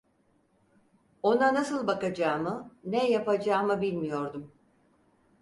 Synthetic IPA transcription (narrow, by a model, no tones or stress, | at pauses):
o̞nanasɯlˠbakad͡ʒaːmɯnɛjapad͡ʒaːmɯbilʲmijo̞ɾd̪um